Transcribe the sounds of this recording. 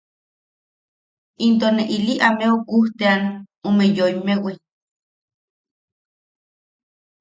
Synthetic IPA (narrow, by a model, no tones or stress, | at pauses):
int̪̬oneʔiliʔameokuht̪ean | umejojmewi